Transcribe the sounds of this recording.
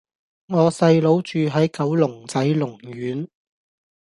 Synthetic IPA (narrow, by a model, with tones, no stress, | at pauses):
ŋɔː˨˧sɐ˧jlo˨˧˥wt͡ʃyː˨ɦɐ˨˥jkɐ˨˥wlʊ˨˩ŋt͡sɐ˨˥jlʊ˨˩ŋɥyː˨˥n